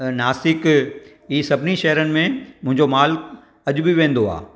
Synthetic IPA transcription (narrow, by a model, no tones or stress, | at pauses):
naːsɪk | iːsɐbʱɪniʃɐɦɾənɪ̆mẽmʊ̃ɦɪ̃ɲd͡ʑomaːlk | ɐʄʊbɪʋẽːnd̪oa̰ː